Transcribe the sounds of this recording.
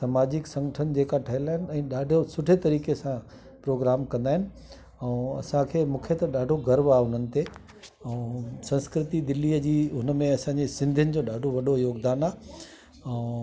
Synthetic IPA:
sɐmaːd͡ʑɪksɐ̃ŋɡəʈʰənɪ̆d͡ʑeːkaʈʰɐɦɪlaːɪnɪ̆ɛ̃ːɗaːɖʱosʊʈʰet̪ɐɾiːkesã | pɾoːɡɾaːmkɐ̃nd̪aːɦɪnɪ̆ | ɛ̃ɐ̰sãkʰeːmũːkʰet̪ɐɗaːɖʱoɡɐɾʋaːʊn̤ənɪ̆t̪e | ɛ̃sɐ̃nskɾɪt̪id̪ɪlːiːəd͡ʑiːɦʊnəmẽɐsãɲd͡ʑesɪ̃nd̪ʱjənɪ̆d͡ʑoːɗaːɖʱoʋɐɗʱojoːɡd̪aːnaː | ɛ̃ː

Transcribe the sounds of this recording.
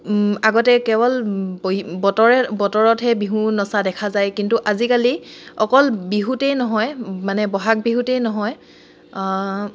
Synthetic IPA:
aɡɔtɛkɛbɔlbbɔtɔɹɛbɔtɔɹɔtɦɛbiɦunɔsadɛkʰazajkintuʔazikaliɔkɔlbiɦutɛjnɔɦɔjmanɛbɔɦak̚biɦutɛjnɔɦɔj

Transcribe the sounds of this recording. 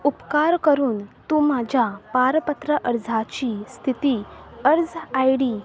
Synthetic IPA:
upkaɾkəɾuːnt̪uːmad͡ʑʱjapaɾpət̪ɾəʔəɾd͡zʱat͡ɕiːst̪ʰit̪iːəɾd͡zajɽiː

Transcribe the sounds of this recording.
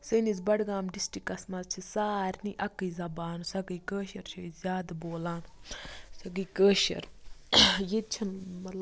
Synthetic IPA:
sənizbɐɽɡaːmɖisʈikːɐsmɐzt͡ʃʰisaːɾʲniʔɐkːɨjzɐbaːnusɐɡəjkəːʃɐɾt͡ʃʰoizʲjaːd̪boːlaːnsɐɡiːkəːʃɐ̰ɾ | jet͡ʃʰɐnmɐt̪lɐ

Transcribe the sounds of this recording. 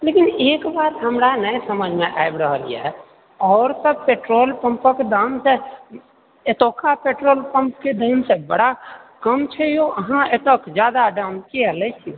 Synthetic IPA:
lekineːkbaːt̪ɦəmɾanəesəməd͡ʒʱmeʔa̰jbɾəɦəlḭjḛ | ɔːɾsəb̚peʈɾoːlpə̃mpəked̪anse | et̪okʰapeʈɾoːlpə̃mpked̪ʱəɦɪnsebəɽakəmt͡ʃʰɛjoʔəɦãet̪okd͡ʒjad̪aɖəmkiələt͡ʃʰi

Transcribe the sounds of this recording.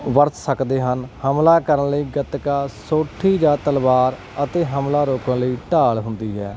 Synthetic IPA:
ʋəɾt̪səkd̪eːɦənhəmlaːkəɾənləiːɡət̪kaːsoːʈʰiːd͡ʒaːt̪əlʋaːɾ | ət̪eːɦəmlaːɾoːkənləiːʈaːɭɦʊnd̪iːɦɛː

